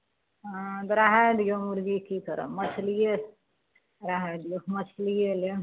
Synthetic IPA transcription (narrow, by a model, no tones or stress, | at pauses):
d̪ɾaɦɛd̪ijomuɾɡikikəɾə̰məsʰlije | ɾaɦad̪ijoməsʰlijele